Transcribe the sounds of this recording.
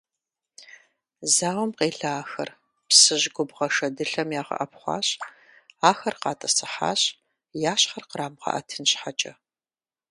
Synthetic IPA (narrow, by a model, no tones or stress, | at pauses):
zaːwɔmqeːɬaaːxɐ̰r | psɨʑɡʷʊbʁɐʂɐdɨɬɐmjaːʁɐ̰ʔɐpχʷɑ̰ːɕ | aːxɐrqɑːtʼɐsɨħa̰ːɕ | jaːɕχɐrqəɾaːmʁɐ̰ʔɐ̰tʰɨnɕħat͡ʃʼɐ